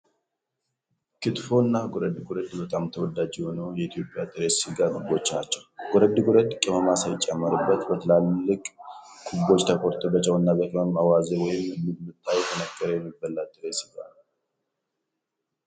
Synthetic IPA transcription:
kʰɨt̪fo̞ɨnːaɡɔɾəd̪ɨɡʊɾəd̪bət̪ʼamt̪ʰəwɔd̪ad͡ʒiho̞nəwjɛit̪ʰjo̞pʼjat̪ʼɨɾesɨɡakɨbot͡ʃːat͡ʃːɛwɡɔɾəd̪ːɨɡʼʊɾəd̪kʼɪməmasajt͡ʃʼɛmːəɾɨbːət̪bət̪ʰəlalːɨkʼkʰubo̞t͡ʃːt̪ʰəkʰoɾt̪ʰobət͡ʃʼɛwɨnːabəkʼɪməmawazewɔjɪmɨːɨmːɨt̪ʰːajɛt̪ʰənəɡʼːəɾəjɛmːibːəlːat̪ʼːɨɾesɨɡanə

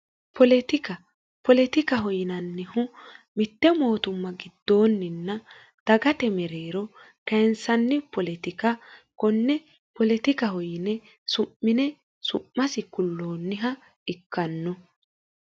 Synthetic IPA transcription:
pʰɔlɛt̪ɪkɐ | pɔlɛt̪ɪkɐɦɔjɪnɐnːɪhʊmɪt̪ːɛmo̞ːt̪ʊmːɐɡɪd̪̥ːo̞ːnːɪnːɐ | d̪̥ɐɡɐt̪ɛmɛɾeːɾɔ | kɐjnsɐnːɪpɔlɛt̪ɪkɐkɔnːɛ | pɔlɛt̪ɪkɐhɔjɪnɛ | sʊmːɪnɛ | sʊʔːɐsɪkʊlːo̞ːnːɪɦɐ | ɪkʰːɐnːɔ

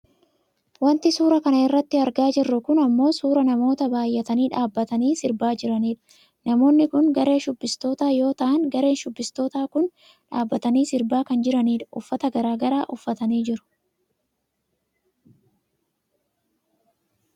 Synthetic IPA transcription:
wɐnt̪ɪsuːɾɐkɐnɐɪrːɐt̪ːɪɐɾɡaːd͡ʒɪrːʊkʊnɐmːo̞ːsuːɾɐnɐmo̞ːt̪ɐbaːjːɐt̪ɐniːᶑaːbːɐt̪ɐniːsɪɾbaːd͡ʒɪɾɐniːᶑɐ̥ | nɐmo̞ːnːɪkʊnɡɐɾe̞ːʃʊbːɪst̪o̞ːt̪aːjo̞ːt̪ɐʔɐŋɡɐɾe̞ːnʃʊbːɪst̪o̞ːt̪aːkʊn | ᶑaːbːɐt̪ɐniːsɪɾbaːkɐnd͡ʒɪɾɐniːᶑɐʔʊfːɐt̪ɐɡɐɾaːɡɐɾaːʔʊfːɐt̪ɐniːd͡ʒɪɾʊ̥

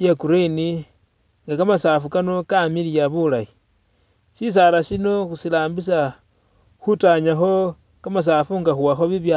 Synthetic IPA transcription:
jekuɾeni | ŋɡakamasaːfukano̞kamilijaβulaji | sis̬aɾasino̞xusilaːmbis̬a | xutaɲaxo̞ | kamas̬aːfuŋɡaxuwaxo̞βiβja

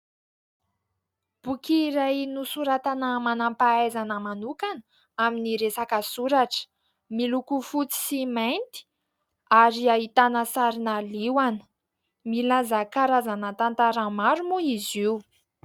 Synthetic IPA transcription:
b̥ukiːɾajnusuɾat̪anəmanampaazanəmanukanə | aminiɾesakəsuɾaʈ͡ʂə̥ | milukufut͡si̥simajnt̪i̥ | aɾiaɦit̪anəsaɾinaliwanə̥ | milazakaɾazanət̪ant̪aɾəmaɾumuiziu

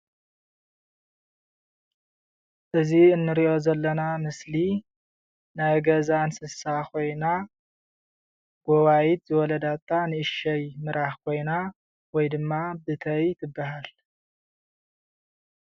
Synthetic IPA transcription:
ʔɨziɨnːɨɾiʔo̞zɐlːɐnamɨsli | najɡɐzansɨsakʰo̞jna | ɡ̥ɔβajit̪zɨwɔlɐd̪at̪ʰːanɨɨʃɐjmɨɾʔahkʰo̞jna | wɔjd̪ɨmːabɨt̪ʰɐjt̪ʰɨbːaɦal

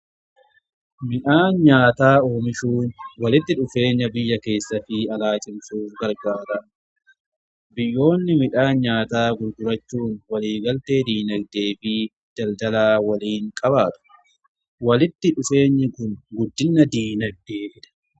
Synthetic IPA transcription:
mɪᶑaːnɲaːt̪aːo̞ːmɪʃuːnwɐlɪt̪ːɪᶑʊfe̞ːɲːɐbɪjːɐke̞ːsːɐfɪɐlaːt͡ʃʼɪmsuːfɡɐɾɡaːɾɐʔ | bɪjːo̞ːnːɪmɪᶑaːnɲaːt̪aːɡʊɾɡʊɾɐt͡ʃːuːnwɐliːɡɐlt̪e̞ːd̪iːnɐɡ̚d̪e̞ːfɪ | d̪̥ɐld̪ɐlaːwɐliːŋkʼɐβaːt̪ʊ̥ | wɐlɪt̪ːɪᶑʊfe̞ːɲːɪkʊnɡʊd̪ːɪnːɐd̪iːnɐɡ̚d̪eːʔɪᶑɐ̥

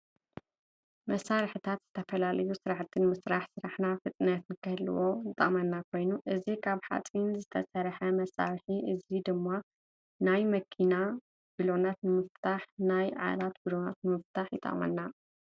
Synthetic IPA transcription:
mɐsaɾħɨt̪ʰat̪z̥ɨt̪ʰɐfɐlalɐjusɨɾaħt̪ʰːɨnmɨsɾaħsɨɾaħnafɨt͡sʼnɐt̪nɨkʰɨhɨlɨ̰wo̞jɨt̪ʼɐ̰mɐnːakʰo̞jnuʔɨzikʰaβħa̰t͡sʼinzɨt̪ʰɐ̰sɐɾħɐmɐsa̰ɾħiʔɨzid̪ɨmːa | najmɐkʰina | ɡ̥ɨlonat̪nɨmɨft̪ʰaħnajʕa̰lat̪bɨlona̰t̪nɨmɨft̪ʰaħjɪt̪ʼɐ̰ʔmɐ̰nːa

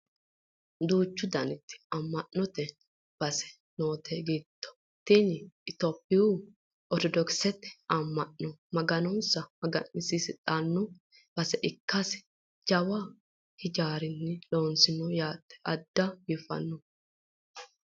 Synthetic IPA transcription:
d̪uːt͡ʃːʊd̪ɐnɪt̪ːɪ̥ɐmːɐʔːɔt̪ɛ | b̥ɐsɛ̥ | noːt̪ʰɛɡit̪ːɔ̥ | t̪inɪt̪ɔpːɪju | ɔt̪ɔd̪ɔksɛt̪ːɛ̥ɐmːɐnːɔmɐɡɐnɔnsɐmɐɡɐnːɪsisɪt̪ʼanːɔ | b̥ɐsɛʔɪkːɐsɪ̥ | d͡ʒɐwa | hɪd͡ʒaːɾɪnːɛloːnsɪnɔjaːt̪ːɛ̥ɐd̪ːɐjɪfɐ̰nːɔ

